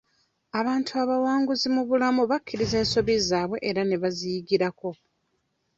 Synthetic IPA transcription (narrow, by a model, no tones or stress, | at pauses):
aβaːntʰuaβawaːŋɡuzimuβulamuβakʲːiɾize̞ːnso̞βizaːβwe̞ʔeɾane̞βazijiɡiɾako̞